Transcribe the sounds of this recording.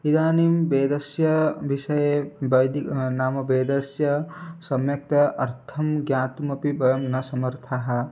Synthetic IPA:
id̪aːnimbeːd̪ɐsjɐʋiʃɐjebɐjd̪inaːmɐbeːd̪ɐsjɐsɐmjɐk̚t̪ɐʔɐɾt̪ʰɐmɡjãːt̪umɐpibɐjɐmnɐsɐmɐɾt̪ʰaɦɐ̆

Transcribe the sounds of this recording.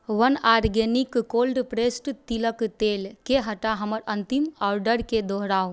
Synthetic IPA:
ʋənaːɾɡenɪkːoːlɖpɾeːsʈt̪iləkt̪eːlkeɦɐʈaɦɐməɾɐ̃nt̪imɔːɾɖəɾked̪oɦɾaːo

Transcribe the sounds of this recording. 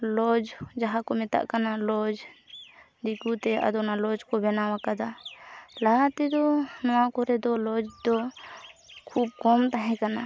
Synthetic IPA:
lɔd͡ʒd͡ʒaɦakɔmɛt̪a̰ʔkanalɔd͡ʒ | d̪ikut̪ɛa̰d̪ɔnalɔd͡ʒkɔbɛnawakad̪alaɦat̪ɛd̪ɔnɔwakɔɾɛd̪ɔlɔd͡ʒd̪ɔ | kʰub̚kɔmt̪aɦɛ̃kana

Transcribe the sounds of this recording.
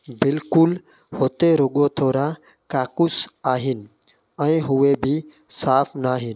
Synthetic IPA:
bɪlkʊl | hoːt̪eɾʊɠot̪ʰoːɾã | kaːkʊsaːɦɪnɪ̆ | ɛ̃ːɦʊʋebʱɪ | saːpʰnaːɦɪn̆

